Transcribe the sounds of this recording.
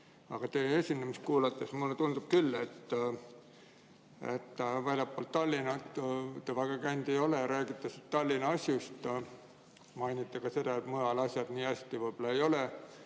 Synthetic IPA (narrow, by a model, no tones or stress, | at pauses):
ɑɡ̥ɑt̪eesʲinemist̪̚kuːlɑt̪ːˑesmulːet̪und̪̥ub̥̚kylːe̞t̪ː | ḛt̪ːvælʲjɑpːˑoːlt̪t̪ːɑlʲːinɑt̪t̪evæɡ̥ɑkæjnd̪̥e̞jo̞leɾæːɡ̥it̪ːˑɑsit̪t̪ɑlʲːinɑɑsʲjust̪ | mɑjnit̪ːˑekɑse̞d̪ɑet̪mɤjɑlɑsʲjɑd̪̥niːæsʲt̪ivɤjb̥olɑejo̞le